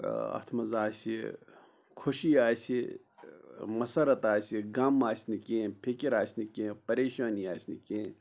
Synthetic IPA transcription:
ɐ̰t̪ʰmɐzaːsi | kʰʊʃiaːsi | mɐsɐɾɐt̪aːsiɡɐmːaːsnikẽːpʰikiɾaːsnikẽːpɐɾeːʃaːniaːsnḭkẽː

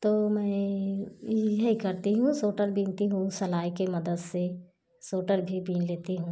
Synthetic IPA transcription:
t̪oːmɛ̃ː | jɐɦikɐɾt̪iɦũsoːʈəɾbʱiːnt̪iɦũsɐlaːikemɐd̪əd̪se | soːʈəɾbʱibiːnleːt̪iɦũː

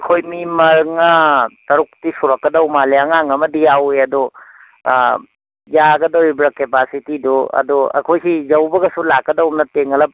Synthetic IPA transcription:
kʰojmimɐɾŋɐtɐɾuk̚tisuɾɐkːɐdɐwmaleɐŋaŋɐmɐdijaweɐdu | jaɡɐdɐwɾibɾɐkepasitiduɐ̰duɐ̰kʰojsizɐwbɐɡɐsulakːɐdɐwmnɐteŋɐlɐp̚

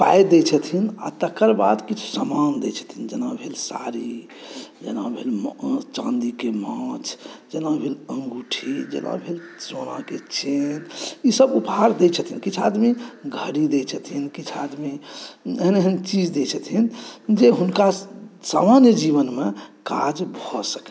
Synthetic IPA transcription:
pa̰jd̪et͡ʃʰət̪ʰina̰t̪əkːəɾba̰d̪kit͡ʃʰu̥samand̪ɛt͡ʃʰə̥t̪ʰind͡ʒənabʱelsa̰ɾi | d͡ʒənã̰bʱelmt͡ʃãnd̪ikemãt͡ʃʰd͡ʒənabʱelə̃ŋɡuʈʰid͡ʒə̰nʔã̰bʱelsonã̰ket͡ʃenisəbupɦaɾd̪ɛt͡ʃʰət̪ʰinkit͡ʃʰad̪miɡʱəɽid̪ɛt͡ʃʰət̪ʰinkit͡ʃʰad̪mieɦneɦənt͡ʃid͡ʒd̪et͡ʃʰət̪ʰind͡ʒeɦunkasamanjəd͡ʒibənmekad͡ʒbʱɔsəkɛ

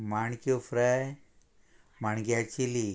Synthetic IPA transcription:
maɳkjofɾaj | maɳɡjat͡ɕili

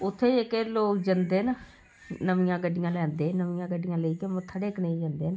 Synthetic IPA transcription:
ʊt̪ʰːeːɪkeloːkd͡ʒənd̪eːna | nəʋɪjãːɡəɖːɪjãːlɛ̃ːnd̪eːnəʋɪjãːɡəɖːɪjãːləiːkemə̃t̪ʰːəɽeːknəĩd͡ʒənd̪eːn

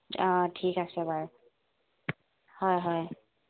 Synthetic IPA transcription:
ɔtʰikasɛbaɹ | hɔjɦɔj

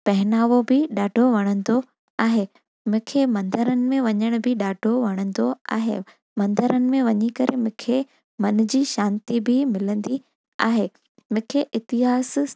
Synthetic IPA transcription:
pɛɦɪnaːʋobʱɪɗaːɖʱoʋɐɽ̃ə̃nd̪o | aːɦeː | mʊ̃ːkʰemɐ̃nd̪əɾənɪ̆mẽʋɐɲəɽ̃ʊbʱɪɗaːɖʱoʋɐɽ̃ə̃nd̪oa̰ːɦḛ | mɐ̃nd̪əɾənɪ̆mẽʋɐɲikɐɾḛmʊ̃ːkʰe | mɐn̆d͡ʑiːʃãːnt̪ibʱɪmɪlə̃nd̪i | a̰ːɦeː | mʊ̃ːkʰeʔɪt̪ɪɦaːs

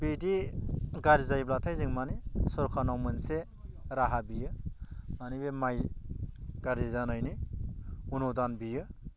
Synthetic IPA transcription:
bidiɡaɾizajblatʰajzɯŋmanisɔɾkʰanawmɯnse | ɾaɦabijɯmanibemaj | ɡ̥aɾizanajni | unodanbijɯ

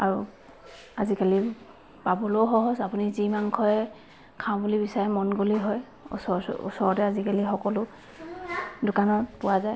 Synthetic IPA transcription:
aɹu | azikali | pabɔlowxɔɦɔsapunizimaŋkʰɔjɛ | kʰãʊ̃bulibisaɹɛmɔnɡoliɦɔj | ṵsɔ̰ṵsɔɹɔtɛazikalixɔkɔlʊ | dʊkanɔpʊwazaj

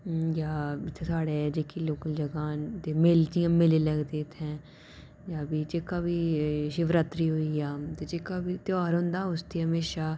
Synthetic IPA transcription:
jaːɪt̪ʰːeːsaːɽeːd͡ʒeːkiloːkəld͡ʒəɡãːt̪eːmɪld͡ʒ̪ijãːmɪleːləɡd̪eːt̪ʰɛ̃ː | jaːbiːd͡ʒekaːbiːʃɪʋɾat̪ɾiːɦoːiːjaːt̪eːd͡ʒeːkaːbiːt̪ɪaːɾɦʊ̃nd̪aːʊst̪eːɦəmeːʃaː

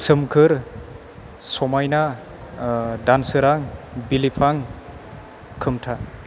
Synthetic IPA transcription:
sɯmkʰɯɾ | sɔmajna | dansɯɾaŋbilipʰaŋ | kʰɯmtʰa

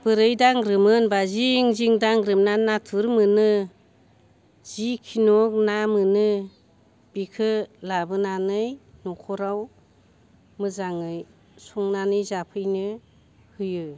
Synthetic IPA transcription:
b̥ɯɾɯjdaŋɾɯmɯnbaziŋziŋdaŋɾɯmnanatʰuɾmɯnɯ | z̥ikʰinɔk̚namɯnɯ | b̥ikʰɯlabɯnanɯjnɔkʰɔɾaw | mɯzaŋɯj | suŋnanɯjzapʰɯjnɯ | hɯjɯ

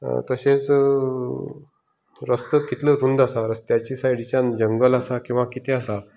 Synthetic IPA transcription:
t̪əset͡s | ɾəst̪əkit̪ləɾund̪asaɾəst̪jat͡ɕisajɽit͡ɕjãnd͡ʑəŋɡəlasakĩw̃ʋakit̪ʰeasa

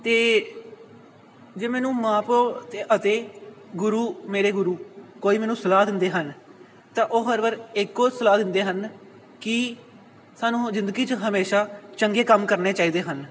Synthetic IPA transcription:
t̪eː | d͡ʒeːmɛːnũːmãːpoːt̪eːʔət̪eːɡʊɾuːmeːɾeːɡʊɾuːkoːiːmɛːnũːsəlaːd̪ɪnd̪eːɦən | t̪ãːʔoːɦəɾʋəɾɪkːoːsəlaːd̪ɪnd̪eːɦən | kɪ | saːnũːzɪ̃nd̪ɡiːt͡ʃɦəmeːʃaːt͡ʃəŋɡeːkəmkəɾneːt͡ʃaːiːd̪eːɦən

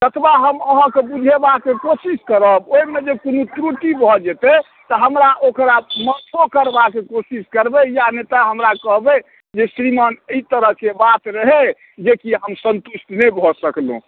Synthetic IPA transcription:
t̪ət̪ʰbaɦəməɦə̃kebud͡ʒʱebakekosiskəɾəboimed͡ʒekonũt̪ɾuʈ̪ibʱɔd͡ʒɛt̪e | t̪əɦəmɾaʔokɾamət̪ʰokəɾbakekosiskəɾbejanet̪aɦəmɾakəɦbe | d͡ʒesɾimanəit̪əɾəɦkebat̪ɾəɦe | d͡ʒekiɦəmsənt̪usʈnebʱɔsəklṵ̃

